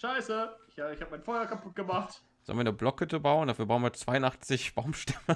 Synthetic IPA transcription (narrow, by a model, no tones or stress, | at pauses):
ʃaɪsəɪçaɪçhaːbəmaɪnfɔʏɐkapʰʊt̚ɡ̥əmaχt | zɔ̰lnviːnəblɔkətʰəbaʊndafyːbaʊənviːɐt͡sv̥aɪʊnʔaχt͡sɪçb̥aʊmʃtɛmə